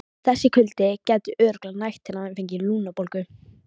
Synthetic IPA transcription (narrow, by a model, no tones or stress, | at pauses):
θɛsːɪkʰʏlt̪ɪcɛt̪ʏʔœːɾʏklanajht̪ʰːɪnaɛnfejɲcɪluːnapolkʏ